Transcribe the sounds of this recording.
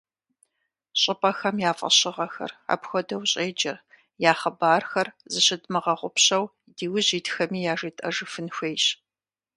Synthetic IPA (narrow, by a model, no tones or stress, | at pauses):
ɕʼɪpʼɐxɐmjaːfʼɐ̰ɕɪʁɐxɐ̰ra̰ːpxʷɔdɐwɕʼeːd͡ʒɐr | jaːχɐbaːrxɐrzɨɕɪdmɨʁɐʁʷʊpɕɐw | diːwʊʑiːtxɐmiːjaːʒiːtʼɐʒɨfɨnxʷeːjɕ